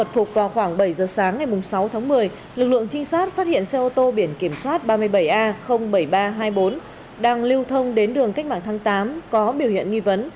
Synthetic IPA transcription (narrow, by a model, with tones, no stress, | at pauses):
ə˨˩t̚fʊ˨˩k͡p̚vaː˨˩wxwaː˧˩ŋɓə˧˩jzəː˨˩saː˨˦ŋːa˨˩jmʊ˨˩ŋ͡msa˨˦wt̪ʰaː˨˦ŋmɨ˨˩əj | lɨ˨˩k̚lɨ̰˧˨əŋt͡ɕï˧ŋ̟saː˦˥t̚faː˦˥t̚hḭ˧˨ənsɛ˧ʔo˧t̪o˧ɓi˧˩ənki˧˩əmswaː˦˥t̚ɓaː˧mɨ˧əjɓə˧˩jʔaː˧xə˧wŋ͡mɓə˧˩jɓaː˧ɦaː˧jɓo˨˦n | ɗaː˧ŋli˧əwt̪ʰə˧wŋ͡mɗe˨˦nɗɨ˨˩əŋka˦˥k̟̚ma̰ː˧˨nt̪ʰaː˨˦ŋt̪aː˨˦mkɔ˨˦ɓi˧˩whḭ˧˨ənŋi˧və˨˦n